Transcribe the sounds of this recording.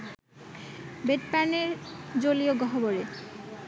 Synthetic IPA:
beʈ̚paneɾd͡ʑolioɡɔɦoboɾe

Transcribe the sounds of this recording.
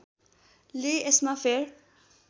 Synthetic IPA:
leesmãfeɾ

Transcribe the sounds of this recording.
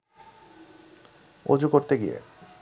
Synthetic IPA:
o̰d͡ʑukoɾt̪eɡiḛ

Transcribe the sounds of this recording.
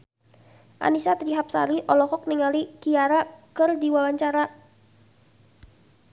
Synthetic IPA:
ʔa̰nisat̪ɾiɦap̚sa̰ɾiʔɔlɔkɔk̚niŋaliɡ̥iaɾakərdiwawaɲt͡ʃaɾa

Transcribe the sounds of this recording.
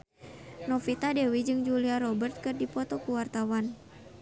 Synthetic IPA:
nɔfit̪adɛwid͡ʒɨŋd͡ʒuliaɾɔbərt̪̚kɨrdipɔt̪ɔkuwart̪awan

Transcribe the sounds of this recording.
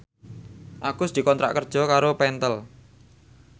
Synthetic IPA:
ʔaɡ̥ʊsd̪̥i̤kɔnt̪ɾa̰ʔkərd̥ʒ̥ɔ̤kaɾopɛnt̪əl

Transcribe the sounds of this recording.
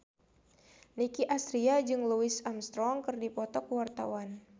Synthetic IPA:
nikiʔast̪ɾiad͡ʒɨŋluɪsamst̪ɾɔŋkɨrdipɔt̪ɔkwart̪a̰wan

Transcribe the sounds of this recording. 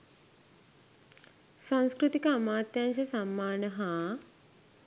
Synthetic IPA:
sãñskɾut̪ikəamaːt̪janʃɐsamːaːnəɦa

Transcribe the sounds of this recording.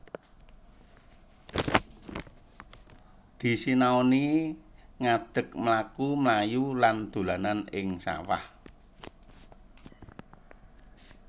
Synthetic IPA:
d̪̥i̤sinaoni | ŋad̪̥ə̤kmlakumlajuland̪̥ṳlananɪŋsa̰wa̰h

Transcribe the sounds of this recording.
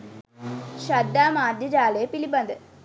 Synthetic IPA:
ɕɐd̪ːaːmaːd̪ɐd͡ʑaːleːpilibɐnd̪ɨ

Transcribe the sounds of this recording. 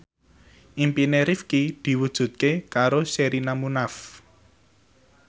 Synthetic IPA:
ʔimpineɾifkid̪̥i̤wud̥ʒ̥ṳt̪̚kekaɾoseɾinamunaf

